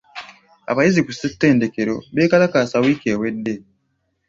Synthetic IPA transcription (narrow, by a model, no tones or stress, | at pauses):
a̰βajizikusetːe̞ːnde̞keɾo̞̰βeːkalakaːsawiːke̞ːwe̞dːe̞